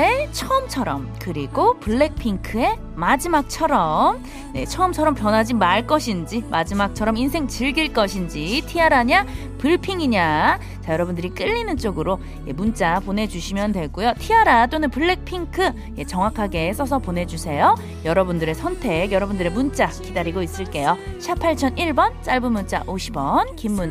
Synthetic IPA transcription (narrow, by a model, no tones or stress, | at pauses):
et͡ɕʰʌɯmt͡ɕʰʌɾʌmkɯɾiɡopɯɭːe̞k̚pʰiŋkʰɯe̞ | mad͡ʑimak̚t͡ɕʰʌɾʌm | ne̞t͡ɕʰʌɯmt͡ɕʰʌɾʌmpjʌnɦad͡ʑimaɭk͈ʌɕʰind͡ʑimad͡ʑimak̚t͡ɕʰʌɾʌminsʰe̞ŋt͡ɕɯɭɡiɭk͈ʌɕʰind͡ʑitʰiaɾaɲa | pɯɭpʰiŋiɲa | t͡ɕajʌɾʌbundɯɾik͈ɯʎːinɯnt͡ɕ͈oɡɯɾo | jemunt͡ɕ͈apone̞d͡ʑuɕʰimjʌndwe̞ɭɡ͈ojotʰiaɾat͈onɯnpɯɭːek̚pʰiŋkʰɯ | je̞t͡ɕʌŋwakʰaɡe̞s͈ʌsʰʌpone̞d͡ʑusʰe̞jo | jʌɾʌbundɯɾe̞sʰʌntʰe̞kjʌɾʌbundɯɾemunt͡ɕ͈akidaɾiɡois͈ɯɭk͈e̞joɕʰipʰaɭt͡ɕʰʌniɭbʌnt͡ɕ͈aɭbɯmunt͡ɕ͈a̰ʔoɕʰibʌnkimːun